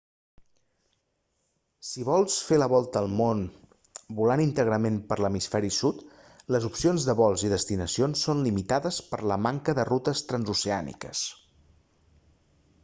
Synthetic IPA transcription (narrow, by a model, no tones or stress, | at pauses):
siβɔlˠsfeləβɔlˠt̪əːlˠmon | bulanint̪əɣɾəmempəɾləmisfɛɾisut̪ | ləzupsionzðəβɔlˠziðəst̪inəsionsːonlimit̪aðəspəɾləmaŋkəðərut̪əst̪ɾənzuseanḭkə̰s